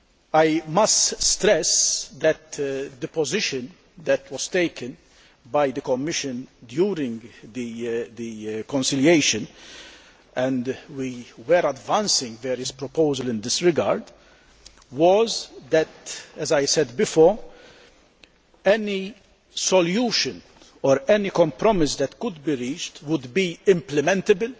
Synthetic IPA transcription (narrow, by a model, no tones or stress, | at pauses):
ajmɐstst̪ɾɛsd̪ɛt̪d̪əpɔzɪʃɨ̃n | d̪ɛt̪ʰwɔz̥t̪eɪkʰə̃n | bajd̪əkɔmːɪʃɨ̃nd̪juːɾɪ̃ŋɡd̪id̪ikɔ̃nsɪljeɪʃɨ̃n | ɛ̃nd̪wiwɛɾɐdvæ̃nsɪ̃ŋɡvɛːɾəspɾɔpoʊzəlɪ̃nd̪ɪsɾɪɡa̰ɾd̪ | wɔzd̪ɛt̪ɛzajsɛd̪bɪfɔːɾ | ɛni | sɔljuːʃɨ̃n | ɔɾɛnikɔ̃mpɾɔmɪsd̪ɛt̪kʊd̪biɾiːt͡ʃtwʊd̪biɪ̃mplɛmɛ̃nt̪əbəl